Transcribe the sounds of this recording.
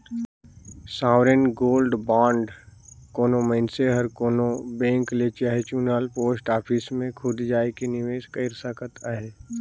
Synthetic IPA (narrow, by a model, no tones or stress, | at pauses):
saːʋɾenɡoːlɖbãːɳɖkoːnoməɪnseɦəɾkoːnobẽːŋklet͡ʃaːɦet͡ʃuːnaːlpoːsʈaːpʰismẽkʰʊd̪d͡ʒaːekinɪʋeːʃkəɪɾsəkʰət̪aɦeː